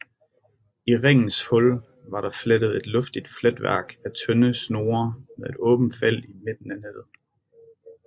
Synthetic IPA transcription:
iʁɛŋ̰n̩shɔ̽l | ʋɑ̈ɾɑ̈fled̥ð̞̩ˠe̝d̥lɔ̽fd̥id̥fled̥ʋæɐ̰ɡ̥æt͡sʰœnəsno̝ːɐmeðˠe̝d̥ɔ̽ːb̥n̩̥fel̰ime̝d̥n̩æne̝ð̰ˠ

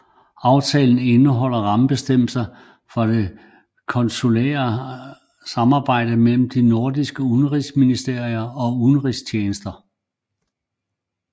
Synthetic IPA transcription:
ɑ̈ʊt͡sʰɛ̰ːln̩e̝nəɦɒ̽l̰ɐʁɑ̈məb̥e̝sd̥em̰sɐ | fɒ̽d̥e̝ | kʰɒ̽nsolḛːɐ | sɑ̈mɑ̈ːb̥ɑ̈ɪ̰d̥əmel̰m̩d̥ino̝ɐd̥isɡ̥əunəʁisminisd̥e̝ɐ̰iɐɒ̽unəʁist͡ɕʰeːnəsd̥ɐ

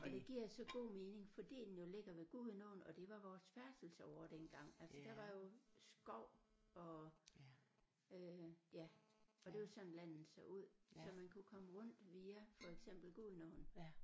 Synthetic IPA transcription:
ɒd̥e̝ɡ̥iɐ̰jsɒ̽ɡ̥o̝̰ːme̝ːne̝ŋfɒ̽d̥ḭːd̥enjo̝le̝ɡ̥ɐʋe̝ɡ̥uðˠənɔn̩ɒ̽d̥e̝ʋɑ̈ʋɒːsfæɐsd̥l̩səɒʊɐd̥enɡ̥ɑ̈ŋ̰ælsɐd̥æʋɑ̈jo̝sɡ̥ɒʊ̰ɒ̽ | øjæɒ̽d̥e̝ʋesɒ̽n̩læn̰n̩sɑuð̰ˠsɒ̽mænkʰukʰɒ̽məʁɔ̽n̰d̥ʋiːæfɒ̽eɡ̥sem̰b̥l̩ɡ̥uðˠnɔːn̩

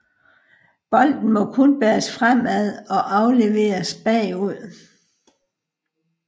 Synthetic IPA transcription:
b̥ɒ̽l̰d̥n̩mɒ̽kʰɔ̽nb̥eːɐsfʁam̰æðˠɒ̽ʔɑ̈ʊle̝ʋe̝̰ːɐsb̥ɛ̰ːuð̰ˠ

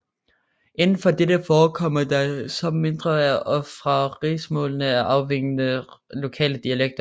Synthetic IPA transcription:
ʔe̝nn̩fɒ̽d̥ed̥əfɒːkʰɒ̽m̰ɐd̥ɑ̈sɒ̽me̝nd̥ʁɐæɐʔɒ̽fʁɑ̈ʁḭːsmɔ̰̽ːlnəæʔɑ̈ʊʋeŋ̰ənəlo̝kʰɛ̰ːləd̥iæleɡ̥̚d̥ɐ

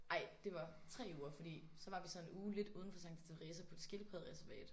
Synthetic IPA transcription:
ʔɑ̈ɪ̰d̥e̝ʋɑ̈t͡sʰʁɛ̰ːuːɐfɒ̽d̥ḭː | sɒ̽ʋɑ̈ʋisɒ̽nenuːle̝d̥uːðˠn̩fɒ̽sɑ̈ŋ̰t͡sʰe̥t͡sʰeʁɛːsɐpʰɒ̽e̝d̥sɡ̥e̝lpʰʁɛðˠʁɛsæɐʋɛ̰ːd̥

